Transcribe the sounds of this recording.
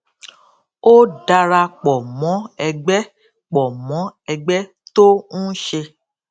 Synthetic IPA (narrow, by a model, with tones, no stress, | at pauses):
o˦da˧ɾa˧k͡pɔ˨mɔ̃˨˦ɛ˧ɡ͡bɛ˦ | k͡pɔ˨mɔ̃˨˦ɛ˧ɡ͡bɛ˦ | to˦nũ˦ʃe˧